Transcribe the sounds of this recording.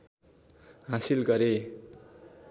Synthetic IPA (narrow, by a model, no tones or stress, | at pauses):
ɦasilɡʌɾe